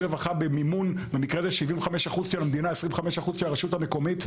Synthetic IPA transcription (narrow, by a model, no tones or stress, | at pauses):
evaχabemimunvanikʁezeʃivimvχameʃaχuzkeamd̪inaesʁimχameʃaχuzkeaʁeʃutame̞ko̞mit